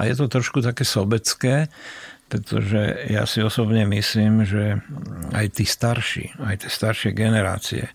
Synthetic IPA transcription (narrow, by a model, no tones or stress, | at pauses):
ʔajɛt̪ɔt̪ɾɔʃkut̪akɛːsɔbɛt͡skɛːpɾɛt̪ʰɔ̰ʒɛ̰ja̰siɔsɔbɲɛmisliːmʒɛa̰jt̪iːst̪aɾʃḭːajt̪ɛːst̪aɾʃɪɛɡɛnɛɾa̰ːt͡sḭɛ̰